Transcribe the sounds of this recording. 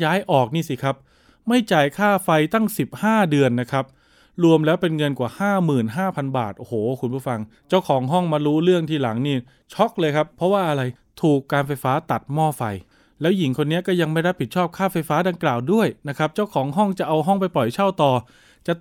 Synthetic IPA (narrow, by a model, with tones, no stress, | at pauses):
jaː˦˥jʔɔː˨˩k̚niː˥˩si˨˦kʰa˦˥p̚ | ma˥˩jt͡ɕaː˨˩jkʰaː˥˩fa˧jt̪a˥˩ŋsi˨˩p̚haː˥˩dɯ˧ənːa˦˥kʰa˦˥p̚ | ɾu˧əmlɛː˦˥wpe˧nŋɤ˧nkwaː˨˩haː˥˩mɯː˨˩nɦaː˥˩pʰa˧nba̰ː˨˩t̪̚ʔo˧hoː˩˦kʰu˧npʰu˥˩fa˧ŋ | t͡ɕa˥˩wkʰɔː˩˦ŋɦɔ˥˩ŋmaː˧ɾuː˦˥ɾɯ˥˩əŋt̪ʰiː˥˩la˩˦ŋniː˥˩ | t͡ɕʰɔ˦˥k̚lɤː˧jkʰa˦˥pʰːɔ˦˥waː˥˩ʔa˧ɾa˧j | t̪ʰuː˨˩kːaː˧nfa˧jfaː˦˥t̪a˨˩t̪̚mɔː˥˩fa˧j | lɛː˦˥wji˨˩˦ŋkʰo˧nːi˦˥ɐkɔː˥˩ja˧ŋma˥˩jɾa˦˥p̚ʰi˨˩t̪̚t͡ɕʰɔː˥˩p̚kʰaː˥˩fa˧jfaː˦˥da˧ŋklaː˨˩wdu˥˩əjna˦˥kʰa˦˥p̚t͡ɕa˥˩wkʰɔː˩˦ŋɦɔ˥˩ŋt͡ɕa˨˩ʔa˧wɦɔ˥˩ŋpa˧jpɔ˨˩jt͡ɕʰa˥˩wt̪ɔː˧ | t͡ɕa˨˩